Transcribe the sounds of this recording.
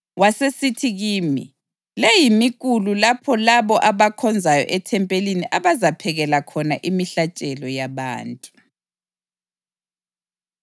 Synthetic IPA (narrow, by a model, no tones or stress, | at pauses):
wasesitʰiɣiːmḭ | lejimik̬ʼululapʰɔlaβɔʔaβakʰɔnd͡zʱajɔ̰ʔɛtʰɛmpʼeliniʔaβazapʰɛɣɛlakʰɔnaʔimiɬat͡ʃʼɛlɔjaβa̰ːntʼu